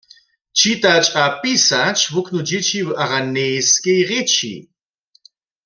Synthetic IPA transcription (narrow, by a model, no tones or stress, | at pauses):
t͡ʃit̪at͡ʃʼapɪsat͡ʃwʊknʊd͡ʒɪt͡ʃiwaʁanejskejʁɪt͡ʃʰḭ